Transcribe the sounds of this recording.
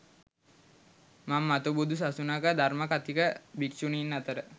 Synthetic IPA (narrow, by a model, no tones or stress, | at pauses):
mamːat̪ubud̪us̬asunakəd̪aɾmakat̪ikəbiksuninːat̪əɾə